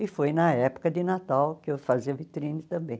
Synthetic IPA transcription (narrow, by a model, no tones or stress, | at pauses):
ɪfojnɐɛpʊ̥kɐd̪ɪnat̪awkɪewfaziɐvit̪ɾĩnɪt̪ɐ̃mbẽj̃